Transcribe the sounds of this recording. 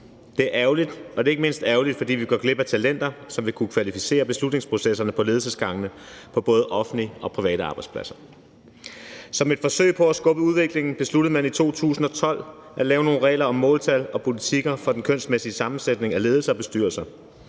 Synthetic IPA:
d̥e̝æɐʔæʊlid̥ɒ̽d̥e̝e̝ɡ̥əme̝n̰sd̥æːɐʊlid̥fɒ̽d̥ḭːʋiɡ̥ɶɡ̥le̝b̥æt͡sʰælen̰d̥ɐsɒ̽mʋe̝kʰukʰʋælifise̝̰ːɐb̥e̝slud̥ne̝ŋspʰʁo̝sesɐnəpʰɒ̽le̝ːð̞ˠsəsɡ̥ɑ̈ŋ̰ənə | pʰɒ̽b̥ɔ̽ːð̞̩ˠʔɒ̽fn̩liʔɒ̽pʰʁiʋɛ̰ːɾ̥əɑ̈ːb̥ɑ̈ɪd̥spʰlæsɐ | sɒ̽me̝d̥fɒ̽sø̰ɪ̰pʰɒ̽æsɡ̥ɔ̽ːb̥əuð̞ˠʋe̝ɡ̥le̝ŋn̩b̥e̝slud̥əð̩ˠmænit͡sʰo̝̰ːt͡sʰṵːsn̩ɒ̽t͡sʰɒ̽l̰ | ʔæ̥lɛːʊno̝ːn̩ʁɛ̰ːlɐɒ̽mːɔ̰̽ːlt͡sʰælɒ̽pʰo̝lit͡sʰiɡ̥ɐfɒ̽d̥enkʰøn̰sd̥mesiəsɑ̈mn̩sed̥ne̝ŋæle̝ːðˠl̩sɐɒb̥e̝sd̥y̰ːɐlsɐ

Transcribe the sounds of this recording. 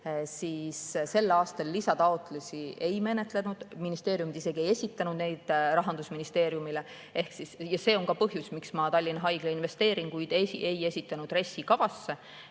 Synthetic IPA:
siːsse̞lːɑːst̪ɑlːisɑt̪ɑo̞t̪lusʲie̞jme̞ne̞t̪ˑle̞nud̪̥minist̪e̞ːɾjumid̪ise̞ɡ̥ie̞je̞sʲit̪ːˑɑnud̪̥ne̞jd̪̥rɑɦɑnd̪usminist̪e̞ːɾjumile̞ | e̞hksisjɑse̞ːo̞ŋkɑpɤɦjusmiksmɑt̪ɑlʲːinɑɦɑjɡ̥leinve̞st̪e̞ːɾinkujd̪̥esiʔe̞je̞sʲit̪ːˑɑnud̪re̞sːikɑvɑsːe

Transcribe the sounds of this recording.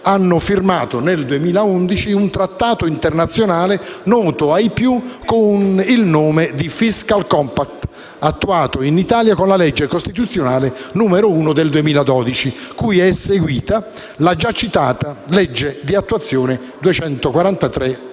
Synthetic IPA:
anːʊfirmaːt̪oneld̪uemiːlaund̪it͡ʃiunt̪ɾat̪ːaːt̪oint̪ernat̪sːjonaːlenɔːt̪oajpjukʊnilnoːmed̪ifiskalkɔmpak̚t̪ | at̪ːuaːt̪oinit̪aːljakonlalɛd͡ʒːekost̪it̪̬ut̪sːjonaːlenuːmeɾouːnod̪eld̪uemiːlad̪ɔːd̪it͡ʃikujɛsːeɡwiːt̪a | lad͡ʒat͡ʃːit̪aːt̪alɛd͡ʒːed̪iat̪ːuat̪sːjoːnɪ | d̪uet͡ʃɛnt̪okwaɾant̪at̪ɾe

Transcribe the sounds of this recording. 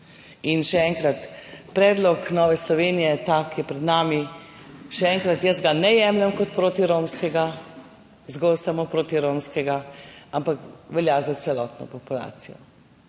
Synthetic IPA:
inʃɛɛŋkɾat̪pɾɛːd̪lɔknɔːʋɛslɔʋeːnijɛt̪akjɛpɾɛd̪naːmi | ʃɛɛŋkɾat̪jəzɡanɛjɛmlɛmkɔt̪̚pɾoːt̪iɾoːmskɛɡa | zɡɔlsamopɾoːt̪iɾoːmskɛɡaampakʋɛljazasɛlɔːt̪nɔ̰pɔpula̰ːsijɔ̰

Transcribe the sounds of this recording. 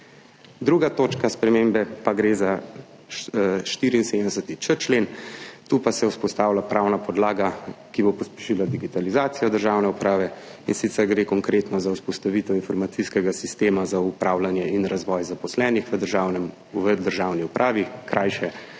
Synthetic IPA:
d̪ɾuːɡat̪oːt͡ʃkaspɾɛmembɛpaɡɾeːza | ʃt̪iːɾiːnsed̪ɛsət̪it͡ʃət͡ʃleːnt̪uːpasɛwspɔst̪aːwlapɾʔawnapɔd̪laːɡakibopɔspɛ̥ʃilad̪iɡit̪alizaːt̪sijɔd̪əɾʒawnɛupɾaːʋɛinsit̪sɛɾɡɾeːkɔŋkɾeːt̪nɔzawspɔst̪aʋit̪ɛwinfɔɾmat̪siskɛɡasist̪eːmazaupɾʔaːwlanjɛinɾazʋɔjzapɔslɛnixʋəd̪əʒanɛm | əd̪əɾʒaːwniupɾʔaːʋikɾʔaːjʃɛ

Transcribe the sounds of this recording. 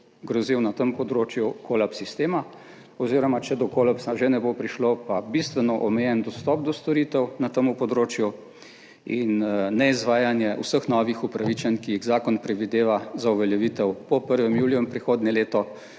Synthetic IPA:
ɡɾɔziwnat̪əmpɔd̪ɾoːt͡ʃjukʰoːlapsist̪eːma | ɔwziɾɔmat͡ʃɛd̪ɔkoːlapsaʒenɛbopɾiʃlopabist̪ʋɛnɔʔɔmɛjɛnd̪ɔst̪ɔp̚d̪ɔst̪ɔɾit̪ɛwnat̪əmupɔd̪ɾoːt͡ʃju | inːɛizʋaːjanjɛʔusəxnɔːʋixupɾaʋit͡ʃɛnkijiɣzaːkɔnpɾɛd̪ʋid̪eːʋazauʋɛljɛʋiːt̪ɛwpɔpəɾʋɛmjuːljuinpɾixoːd̪nʲɛleːt̪ɔ

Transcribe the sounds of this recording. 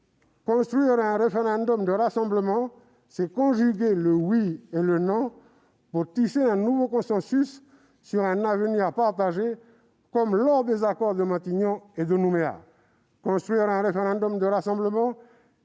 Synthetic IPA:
kɔ̃st̪χɥiʁɛ̃ʁefeʁɛ̃d̪ɔmd̪əʁasɑ̃bləmɑ̃ | sɛkɔ̃ʒyɡʲeləwielənɔ̃ | puʁt̪iʃeɛ̃nuvokɔ̃sɑ̃sysː | yʁɛ̃navəniʁpaʁt̪aʒe | kɔmlɔʁd̪ezakɔʁd̪əmɛ̃t̪iɲɔ̃ed̪ənumea̰ | kɔ̃st̪χɥiʁɛ̃ʁefeʁɛ̃d̪ɔmd̪əʁasɑ̃bləmɑ̃

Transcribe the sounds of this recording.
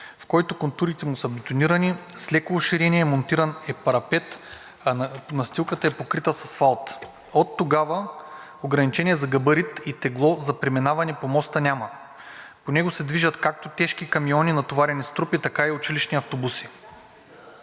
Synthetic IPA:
fkɔjt̪okont̪uɾit̪ɛmusɐbɛt̪oniɾɐnislɛkovoʃiɾɛniɛmont̪iɾɐnɛpɐɾɐpɛt̪ | ɐnɐst̪ilˠkət̪əɛpokɾit̪əsɐsfalˠt̪ | ot̪ːoɡavɐ | oɡɾɐnit͡ʃɛniɛzɐɡɐbəɾit̪it̪ɛɡlˠɔzɐpɾɛminavɐnɛpomɔst̪ənʲamɐ | ponɛɡosɛd̪viʒɐt̪kak̚t̪ot̪ɛʃkikɐmiɔninɐt̪ovaɾɛnist̪ɾupit̪ɐkaiot͡ʃiliʃniɐft̪obusi

